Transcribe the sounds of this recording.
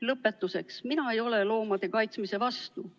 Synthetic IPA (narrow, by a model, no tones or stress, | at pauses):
lɤpːˑe̞t̪ːˑuse̞ksminɑe̞jo̞le̞lo̞ːmɑd̪̥e̞kɑjt̪smise̞vɑst̪u